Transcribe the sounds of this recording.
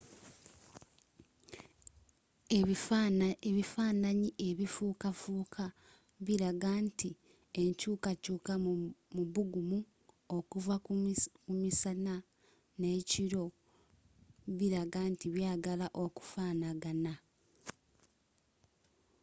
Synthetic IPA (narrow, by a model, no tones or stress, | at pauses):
eβifaːnaɲiʔeβifuːkafuːkʰa | βiɾaɡanti | eɲcuːkacuːkamuβuɡumu | o̞kuvakumisana | ne̞ːciɾo̞ | βiɾaɡantiβjaːɡalaʔo̞ku̥faːnaɡana